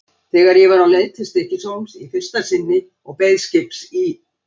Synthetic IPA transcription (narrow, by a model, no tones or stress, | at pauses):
θɛːɣaɾjɛvaɾawnleːjt̪ʰɪst̪ɛhcɪsowmsifɪr̥st̪ḁsɪnːɪ | ɔɣpeːjðscɪpsi